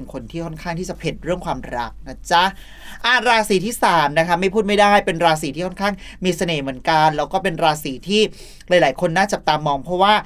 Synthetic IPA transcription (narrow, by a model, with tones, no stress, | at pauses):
nkʰo˧nt̪ʰiː˥˩kʰɔ˥˩nkʰaː˥˩ŋt̪ʰiː˥˩t͡ɕa˨˩pʰe˨˩t̪̚ɾɯ˥˩əŋkʰwaː˧mɾa̰˦˥k̚na˦˥˩t͡ɕa˦˥ | ʔa˧˩ɾaː˧siː˨˦t̪ʰiː˥˩saː˩˦mna˦˥kʰa˦˥ma˥˩jpʰuː˥˩ma˥˩jdaː˥˩jpe˧nɾaː˧s̬iː˨˦iː˥˩ɔ˥˩nkʰaː˥˩ŋmiː˧sa˧neː˩mɯ˩˦ənka˧nlɛː˦˥wkɔː˥˩pe˧nɾaː˧siː˨˩˦t̪ʰiː˥˩ | laː˨˩˦jlaː˩˦jkʰo˧nːaː˥˩t͡ɕa˨˩t̪aː˧mːɔː˧ŋpʰɾɔ˦˥waː˥˩